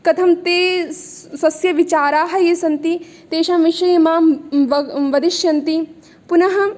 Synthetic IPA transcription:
kɐt̪ʰɐmt̪eː | sɐsjɐʋit͡ʃaːɾaːɦɐjeːsɐnt̪i | t̪eːʃamʋiʃɐjɐmaːmʋɐʋɐd̪iʃjɐnt̪i | punɐɦɐ

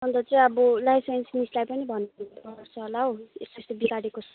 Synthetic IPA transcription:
ʌnd̪ʌt͡sʌĩʌbʌlajsensnislajpʌnibʱʌnuʌrt͡sʰʌɦolaɦoesst̪obikaɽekot͡sʰ

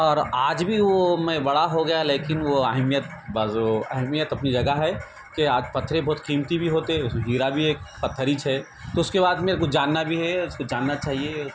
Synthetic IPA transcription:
ɔːɾaːd͡ʒbʱiʋomɛ̃bɐɽaɦoɡɐjaleːkɪnʋoaɦmijət̪̚baːzoaɦmijət̪ɐpnid͡ʒɐɡəɦɛ | keaːd͡ʒpɐt̪ʰːɾebɔːt̪qiːmt̪ibʱiɦoːt̪eɦɛ̃ʊsmẽɦiːɾabʱieːkpɐt̪ʰːəɾit͡ʃʰɦɛ | t̪oʊskeβaːd̪meːɾekod͡ʒaːnːabʱiɦɛʊskod͡ʒaːnːat͡ʃaːɦie

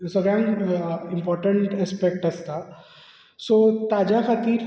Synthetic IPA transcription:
sɐɡɾjãŋɪmpɔːɾʈə̃ɳʈɛspek̚ʈɦɐst̪a | sot̪aːd͡ʒaxɐt̪iːɾ

